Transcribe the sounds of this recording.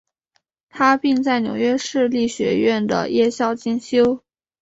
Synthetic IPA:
t̪ʰa˥pi˥˧ŋt͡sa˥˩ɪnjo̰˨˧˥ʊɥɛ˥ʂɻ̩˥˧li˥˩ɕɥɛ̰˧˥ɥɛ˥˩nd̪ə̰˩jɛ˥˧ɕjɑ˥˧ʊt͡ɕi˥˩ŋɕjo˥ʊ

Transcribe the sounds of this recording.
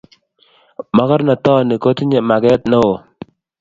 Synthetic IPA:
ma˦ka˦ɾna˨t̪ɔ˦ni˨ko˦t̪i˦ɲe˨ma˨ɡɛ˦t̪no˦o˨

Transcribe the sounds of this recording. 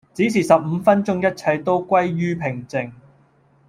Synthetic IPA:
t͡si˨˥siː˨˩sɐ˨p̚m̩˨˧fɐ˥nt͡ʃʊ˥ŋjɐ˥t̚t͡sʰɐ˧jt̪o˥wkʷɐ˥jɥyː˥pʰɪ˨˩ŋt͡sɪ˨ŋ

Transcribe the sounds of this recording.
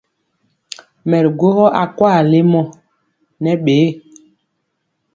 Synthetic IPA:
mɛ˨ɾɡo˦hɔ˦ʔa˨kwaː˦˨le˦mɔ˦ | nɛ˦ɓeː˨˦

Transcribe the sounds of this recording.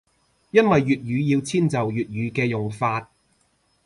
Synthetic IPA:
jɐ˥nwɐ˨jːyː˨t̚ɥyː˨˧jiː˧wt͡sʰiː˥nt͡sɐ˨wjyː˨t̚jyː˨˧kɛː˧jʊ˨ŋfaː˧t̚

